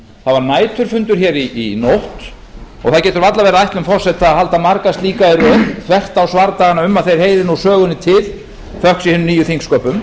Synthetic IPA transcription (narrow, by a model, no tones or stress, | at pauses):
θavaɾnaːjt̪ʰʏɾ̥fʏnt̪ʏɾ̥çɛːɾiːnowht̪ | ɔ̰ɣθaðwcɛːt̪ʏɾvat̪lavɛːɾaajht̪lʏmfɔr̥sɛt̪aahɦalt̪amaɾkast̪liːkaɛɾœt̪ʰvɛr̥t̪awsvaɾt̪aɣanaʏmːaðθejɾ̥heːjðɪnusœːɣʏnɪt̪ʰɪð̥ | fœhksihɛnʏmniːjʏθiŋkskœːpʏm